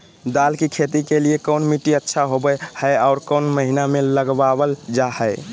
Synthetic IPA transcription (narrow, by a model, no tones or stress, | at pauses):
d̪alkikʰet̪ikeliekəʊnmiʈiətːʃʰaɦobəhəaʊɾkəʊnməɦinameləɡbabəld͡ʒahəɪ